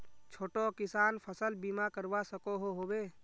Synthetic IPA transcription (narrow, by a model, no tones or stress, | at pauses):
t͡ʃʰoːʈokɪsaːnpʰəsəlbiːmakəɾʋasəkoɦoɦoːbeː